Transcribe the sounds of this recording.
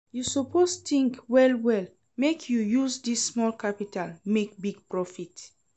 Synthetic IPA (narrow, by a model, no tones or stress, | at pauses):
jusopʰost̪ĩŋkwɛlwɛl | mekʰjujuzdisːmɔlkʰapitʰalmek̚biɡ̚pɹɔfit